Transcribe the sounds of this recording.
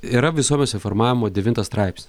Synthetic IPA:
iɾɐʋʲɪsuɔmʲɛt̪sʲɛfoːɾmɑːʋʲɪmoːd̪ʲɛʋʲɪnt̪ɐst̪ɾɑˑɪpʲsʲnʲɪ

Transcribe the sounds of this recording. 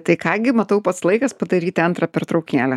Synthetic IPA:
t̪ɐɪkɑːɡʲɪmɐt̪ɐʊpɐt̪slˠɐɪkɐspɐd̪ɐɾʲiːt̪ʲɪɐnt̪ɾɐpʲɛɾt̪ɾɐʊkʲeːlʲɛ

